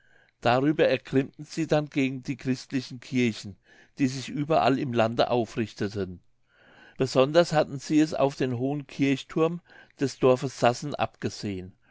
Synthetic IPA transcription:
d̥aʁyːbɐɛɐkʁ̥ɪmtn̩z̥iːdanɡeːɡŋ̩diːkʁ̥ɪstlɪçn̩kʰɪɐçn̩ | d̥iːzɪçʔyːbɐʔa̰lɪmlandə̰ʔaʊfʁɪçtətʰən | b̥əzɔndɐshatn̩z̥iːɛsa̰ʊfd̥eːnɦoːənkʰɪɐçtʰʊɐmd̥ɛsd̥ɔɐfəsːasn̩ʔa̰pɡ̥əz̥eːən

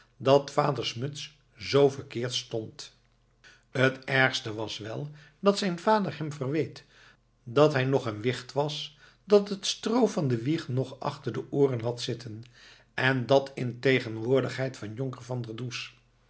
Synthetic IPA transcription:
dɑtfaːdəɹsmɵts | zowvəɹkɪːɹtstɔnt | ɦətɛɹχstəʋɑsʋɛlˠ | d̥ɑtsɛjnv̥aːdəɹɦɛmvərʋejt | dɑtɦɛjnɔχənʋɪχtʋɑs | dɑtətstrowvɑndəʋiχnɔχɑ̰χtəɹdəʔʊːrənɦɑtsɪtən | ʔɛndɑtʰɪntejχənʋʊːɹdəχɦɛjtfɑnjʊŋkəɹvɑndəɹdus

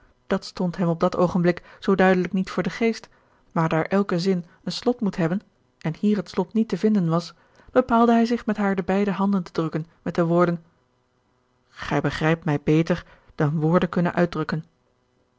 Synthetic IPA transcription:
d̥ɑtstɔntɦɛmɔb̚dɑtowχənblɪkz̥owdœɥdələknitfʊːɹdəχejst | maːɹdaːɹʔɛlˠkəzɪn | ənslɔtmutɦɛbən | ʔɛnhiːɹɦətslɔtnitəvɪndənʋɑs | b̥əpaːlˠdəɦɛjzɪχmɛtɦaːɹdəbɛjdəɦɑndəntədrɵkənmɛt̚dəʋʊːɹdən | χɛjbəχrɛjp̚tmɛjbejtəɹ | d̥ɑnʋʊːɹdəkɵnə̰nʔœɥ̚drɵkən

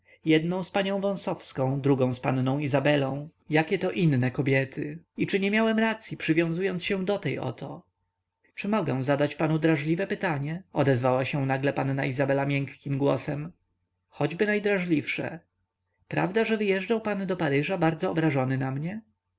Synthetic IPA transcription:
jɛd̪nɔ̃w̃spaɲɔ̃w̃vɔ̃w̃sɔfskɔ̃w̃d̪ɾuɡɔ̃w̃spa̰nnɔ̃w̃izabɛlɔ̃w̃jakʲɛt̪ɔʔinnɛkɔbʲjɛt̪ʰɘit͡ʂɘɲɛmʲjawɛmɾat̪sʲjipʂɘvʲjɔ̃w̃zujɔnt̪sɕɛ̃d̪ɔt̪ɛjʔɔ̰t̪ʰɔ | t͡ʂɘmɔɡɛ̃w̃zad̪at͡ɕpanud̪ɾaʐlʲivɛpɘt̪aɲɛɔd̪ɛzvawaɕɛ̃naɡlɛpannaizabɛlamʲjɛŋkːʲimɡwɔsɛm | xɔd͡ʑbɘnajd̪ɾaʐlʲifʂɛ̰ | pɾa̰vd̪aʐɛvɘjɛʐd͡ʐawpand̪ɔpaɾɘʐabaɾd̪zɔːbɾaʐɔnɘnamɲɛ

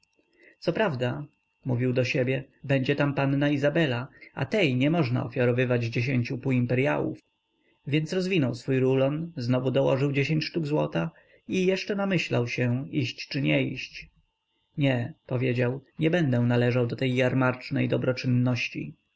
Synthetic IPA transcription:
t̪sɔpɾavd̪a | muvʲiwd̪ɔɕebʲjɛ | bɛɲd͡ʑɛt̪ampanːaizabɛlaa̰t̪ɛjɲɛmɔʐna̰ɔ̰fʲjaɾɔvɘvad͡ʑd͡ʑeɕeɲt͡ɕupuimpɛɾja̰wṵf | vʲjɛnt̪sɾɔzvʲinɔwsfujɾulɔnznɔvud̪ɔwɔ̰ʐɘwd͡ʑeɕeɲt͡ɕʂt̪uɡzwɔt̪a | ijɛʂt͡ʂɛnamɘɕlawɕɛiɕt͡ɕt͡ʂɘɲɛiɕt͡ɕ | ɲɛpɔvʲjed͡ʑawɲɛbɛnd̪ɛw̃nalɛʐawd̪ɔt̪ɛjːaɾmaɾt͡ʂnɛjd̪ɔbɾɔt͡ʂɘnːɔɕt͡ɕḭ

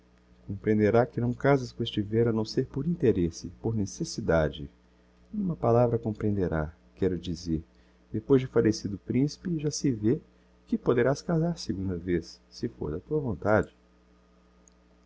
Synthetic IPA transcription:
kõmpɾẽnd̪eɾakɪnɐ̃w̃kazɐskõest͡ʃɪvɛɾʊɐnɐ̃w̃seɾpoɾĩnt̪eɾesɪpoɾnesesid̪ad͡ʒɪ̰ | ũmɐpalavɾɐkõmpɾẽnd̪eɾa̰ | kɛɾʊd͡ʒizeɾ | d̪epojzd͡ʒɪfalesid̪ʊpɾĩsi̥pɪʒasɪve | kɪpod̪eɾaskazaɾsɪɡũnd̪ɐvesːɪfo̰ɾd̪ɐt̪uɐvõnt̪ad͡ʒɪ

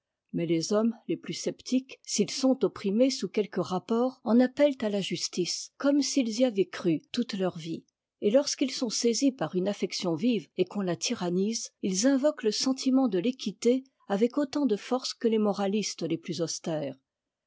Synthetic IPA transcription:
mɛlezɔmleplysɛpt̪ʰiksilsɔ̃t̪ɔpχimesukʲɛlkəʁapɔːʁɑ̃napɛlt̪alaʒyst̪iskɔmsilziavɛkχyt̪ut̪lœʁvi | elɔʁskilsɔ̃sezipaʁynafɛksjɔ̃vivekɔ̃lat̪ʰiʁanizilzɛ̃vɔkləsɑ̃t̪ʰimɑ̃d̪əlekʲʰit̪e | avɛkot̪ɑ̃d̪əfɔʁskəlemɔʁalist̪leplyzɔst̪ɛːʁ

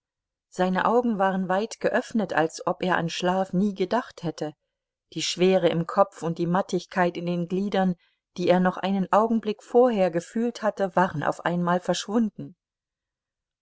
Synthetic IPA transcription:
z̥aɪnə̰ʔaʊɡŋ̩vaːʁ̞ənvaɪtɡ̥əʔœfnəta̰lsʔɔpʔeːɐʔa̰nʃlaːfniːɡədaχthɛtə | d̥iːʃv̥eːʁəɪmkʰɔpp͡fʊnt̚d̥iːmatɪçkʰaɪtɪndeːnɡliːdɐn | d̥iːeːɐnɔχʔa̰ɪnənʔaʊɡŋ̩blɪkfoːɐɦeːɐɡəfyːlthatəvaːʁənʔa̰ʊfʔa̰ɪnmaːlfɛɐʃv̥ʊndn̩

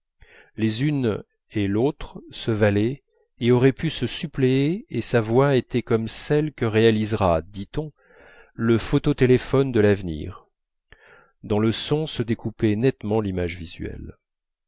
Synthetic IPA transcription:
lezyn | elot̪χsəvalɛ | eɔʁɛpysəsypleeesavwaet̪ɛkɔmsɛlkəʁealizʁad̪it̪ɔ̃ | ləfot̪ot̪elefɔnd̪əlavnḭʁ | d̪ɑ̃ləsɔ̃səd̪ekupɛnɛt̪mɑ̃limaʒvizɥɛ̰l

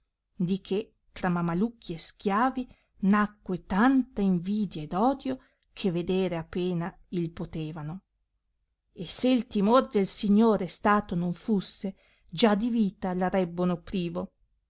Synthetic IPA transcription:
d̪ikʰe | t̪ɾamamalukʰːiesk̟jaːvi | nakːwet̪ant̪aiɱviːd̪jaed̪ɔːd̪jo | kʰeved̪eːɾeapːeːna | ilpot̪eːvano | esːeilt̪imord̪elsiɲːoːɾest̪aːt̪onoɱfusːe | d͡ʒad̪iviːt̪alaɾɛbːonopɾiːvo

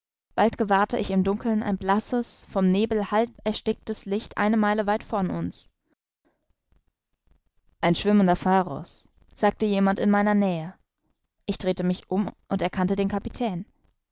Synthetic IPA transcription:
b̥altɡ̥əvaɐtəʔɪçɪmdʊŋkl̩nʔa̰ɪnblasəsfɔmneːbl̩halpɛɐʃtɪk̚təslɪçtʔa̰ɪnəmaɪləvaɪtfɔɐnʔʊns | ʔaɪnʃv̥ɪməndɐfaːʁɔ̰s | z̥aːk̚təjeːmantɪnmaɪnɐnɛːə | ʔɪçd̥ʁ̥eːtəmɪçʔʊmʔʊntɛɐkʰantədeːnkʰapitʰɛːn

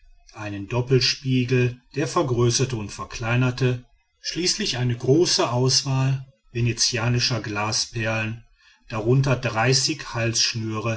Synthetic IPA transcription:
ʔaɪnəndɔpl̩ʃpiːɡl̩d̥eːɐfɛɐɡʁøːsɐtəʊntfɛɐkʰl̥aɪnɐtə | ʃliːslɪçʔaɪnəɡʁoːsəʔaʊsv̥aːl | venet͡sjaːnɪʃɐɡlaːspɛɐlən | d̥aʁʊntɐdʁaɪsɪçhalsʃnyːʁə

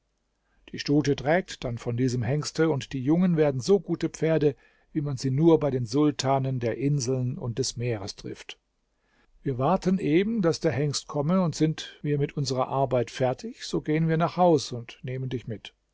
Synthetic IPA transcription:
d̥iːʃtuːtətʁ̥ɛːk̚td̥anfɔndiːzəmɦɛŋstəʊntd̥iːjʊŋənveːɐdn̩zoːɡuːtəpp͡feːɐdə | viːmanziːnuːɐbaɪɾeːnzʊltʰaːnəndeːɐʔɪnzl̩nʊ̰nt̚d̥ɛsmeːʁ̞əstʁ̥ɪ̰ft | viːɐvaɐtənʔeːbm̩d̥asd̥eːɐhɛŋstkʰɔməʊntz̥ɪntviːɐmɪtʔʊnzəʁɐ̰ʔaɐbaɪtfɛɐtʰɪçz̥oːɡeːənviːɐnaːχhaʊsʊntneːməndɪçmɪt

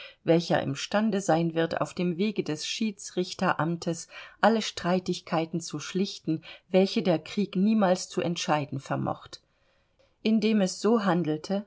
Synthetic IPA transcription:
vɛlçɐ̰ʔɪ̰mʃtandəzaɪnvɪɐta̰ʊfd̥eːmveːɡədɛsʃiːt͡sʁɪçtɐʔamtʰəsʔaləʃtʁ̥aɪtɪçkʰaɪtn̩t͡suʃlɪçtn̩vɛlçədeːɐkʁ̥iːkniːmaːlst͡suʔɛntʃaɪdn̩fɛɐmɔ̰χt | ʔɪndeːmɛsz̥oːɦandl̩tʰə

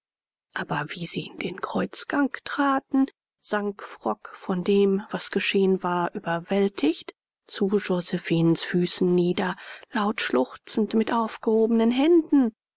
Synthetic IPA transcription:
ʔaːbɐviːziːʔɪndeːnkʁ̥ɔʏt͡sɡ̥aŋktʁ̥aːtn̩ | z̥aŋkfʁ̥ɔkfɔndeːmvasɡ̥əʃeːənvaːɐʔyːbɐvɛltʰɪçt | t͡suʒozɛfiːnsfyːsn̩ːiːdɐlaʊtʃlʊxt͡sn̩tmɪtʔaʊfɡ̥əhoːbənənɦɛndn̩

